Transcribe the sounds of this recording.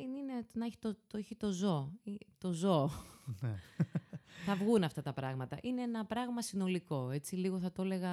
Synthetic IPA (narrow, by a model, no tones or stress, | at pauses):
ninenɐçi̥t̪ot̪oeçit̪o̞zo̞it̪o̞zo̞n | θɐvɣunɐft̪ɐt̪ɐpɾɐɣmɐt̪ɐʔineenɐpɾɐɣmɐsino̞liko̞e̞t͡siliɣo̞θɐt̪o̞le̞ɣɐ